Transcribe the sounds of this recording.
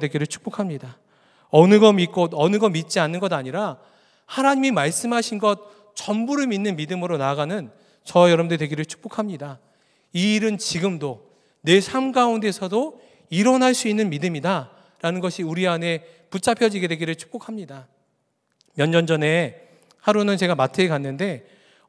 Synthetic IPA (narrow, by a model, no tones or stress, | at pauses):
dwe̞ɡiɾɯɭt͡ɕʰu̥k̚p͈okʰamɲida | ʌnɯɡʌmik͈odʌnɯɡʌmit̚t͡ɕ͈ianːɯnɡʌdaɲiɾa | hanaɲimimaɭs͈ɯmɦaɕʰinɡʌt̚ | t͡ɕʌmbuɾɯɭminːɯnmidɯmɯɾonaɡanɯn | t͡ɕʌjʌɾʌmdedwe̞ɡiɾɯɭt͡ɕʰu̥k̚p͈okʰamɲida | iːɾɯnt͡ɕiɡɯmdo | ne̞sʰamɡaunde̞sʰʌdo | iɾʌnɦaɭs͈uinːɯnmidɯmida | ɾanɯnɡʌɕʰiuɾiane̞ | put͡ɕ͈apʰjʌd͡ʑiɡe̞dwe̞ɡiɾɯɭt͡ɕʰu̥k̚p͈okʰamɲida | mjʌnd͡ʑʌnd͡ʑʌne̞ | haɾunɯnt͡ɕe̞ɡamatʰekanːɯnde̞